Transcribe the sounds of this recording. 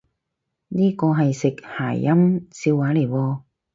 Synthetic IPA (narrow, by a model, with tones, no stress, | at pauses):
niː˥kɔː˧ɦɐ˨jsɪ˨k̚haː˨˩jːɐ˥mt͡siː˧waː˨˥le˨˩jwɔː˧